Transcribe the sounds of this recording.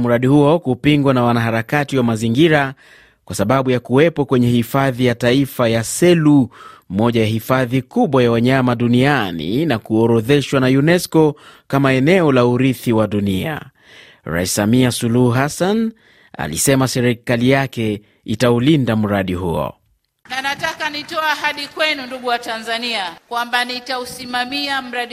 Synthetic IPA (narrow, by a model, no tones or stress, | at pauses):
muɾaɗihuɔkupiŋɡwanawanaɦaɾakatiwamaziŋɡiɾa | kwasaɓaɓujakuwɛpɔkwɛɲɛhifaðijataifajasɛlumɔʄajahifaðikuɓwajawaɲamaɗunianḭnakuɔɾɔðɛʃwanajunɛskɔkamaɛnɛɔlauɾiθiwaɗunia̰ | ɾa̰isːamiasuluhuɦasan | a̰lḭsɛmasɛɾikalijakɛ | itaulindam̩ɾaɗiɦṵɔ̰ | nanatakanitɔaaɦaɗikwɛnunduɠuwatanzaniakwambanitausimamiam̩ɾaɗ